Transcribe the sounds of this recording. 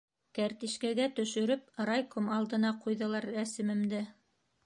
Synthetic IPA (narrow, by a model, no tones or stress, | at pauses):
kæɾt̪iʃkæɡæt̪ɵ̆ʃɵ̆ɾɵp̚ɾɑjkomɑlˠd̪ɤ̆nɑqʰujðɤ̆lˠɑɾæsɘ̆mɘ̆md̪ɘ